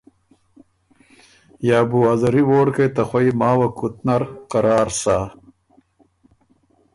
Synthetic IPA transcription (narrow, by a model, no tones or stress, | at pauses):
jaːbuazɐɾiwoːɽkɐjt̪ɐxwɐjmaːwɐkut̪nɐɾqɐɾaːɾsa